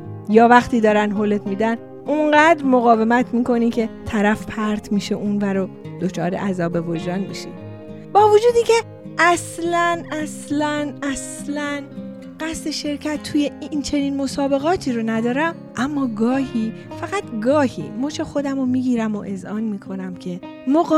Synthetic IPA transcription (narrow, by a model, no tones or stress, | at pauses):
jɒːvæxt̪ʰiːd̪ɒːɾænɦole̞t̪miːd̪æn | ʔuɴɢæːd̪ɾmo̞ɣɒːve̞mæt̪ʰmiːkʰo̞nicʰe̞t̪ʰæɾæfpʰæɾt̪ʰmiːʃeʔunvæɾo | d̪̥ot͡ʃʰɒːɾe̞̰ʔæzɒːbe̞vod͡ʒɾɒːnmḭʃḭ | bɒːvod͡ʒuːd̪icʰe̞ | ʔæslænæslænæslæn | ɢ̥æst̪e̞ʃe̞ɾcʰæt̪ʰːuːje̞int͡ʃʰe̞niːnmo̞sɒːbe̞ɣɒːt̪ʰiːɾonæd̪ɒːɾæm | ʔæmːɒːɡɒːhiː | fæɣæt̪ɡɒːhḭːmɔːt͡ʃʰexo̞d̪æmomiːɟiːɾæmoʔe̞zʔɒːnmiːkʰo̞næmcʰe̞ | moɣ